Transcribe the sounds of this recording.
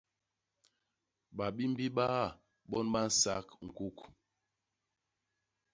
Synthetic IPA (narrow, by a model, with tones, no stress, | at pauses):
ɓa˨ɓi˦m̩˦bi˦ɓa˦˨ | ɓɔ˦nɓa˦n̩˦sa̰˦kŋ̩˨ku˦k